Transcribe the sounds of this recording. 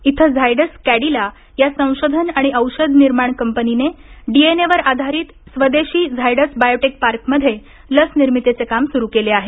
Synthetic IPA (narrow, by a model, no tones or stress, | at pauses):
it̪ʰəd͡zʱajɽəskæɽila | jasə̃w̃ɕod̪ʱənaɽ̃iəwɕəd̪ʱniɾmaɳkəmpənineɖieneʋəɾad̪ʱaɾiːt̪sʋəd̪eɕiːd͡zʱajɽəsbajoʈek̚paɾkməd̪ʱːje | ləsniɾmit̪et͡sekamsuɾukeleaɦe